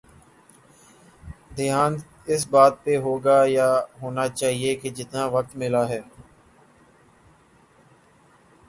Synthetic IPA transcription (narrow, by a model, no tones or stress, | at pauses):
d̪ɪɦaːn | ɪsbaːt̪̚peɦoːɡaːjaːɦoːnaːt͡ʃaːɦieked͡ʒɪt̪naːʋək̚t̪mɪlaːɦɛː